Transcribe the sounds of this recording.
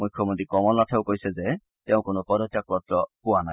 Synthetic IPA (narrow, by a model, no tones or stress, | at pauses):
mujkʰjɔmont̪ɾikɔmɔlnatʰaʊkojsɛze | teʊ̃konopɔd̪ɔtːjak̚ɾɔt̪ɾɔpʊwanaj